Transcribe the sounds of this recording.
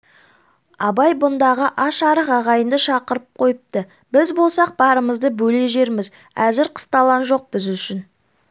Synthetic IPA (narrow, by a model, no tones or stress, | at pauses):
ɑbɑjbʊnd̪ɑʁəʔɑʃɑɾəqɑʁɑjənd̪əʃɑqəɾəp̚qʰo̞jəp̚t̪ə | bɪzbo̞lˠsɑq̚b̥ɑɾəməzd̪əbɵle̞ʒe̞ɾmɪz | æzɪɾqʰə̥st̪ɑlˠɑnʒo̞q̚bɪzʏʃɪn